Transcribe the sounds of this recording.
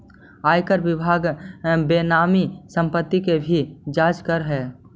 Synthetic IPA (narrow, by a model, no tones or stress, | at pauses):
aːjkəɾbɪbʱaːɡbeːnaːmisə̃mpət̪ːikebʱid͡ʒaːd͡ʒkəɾɦɛː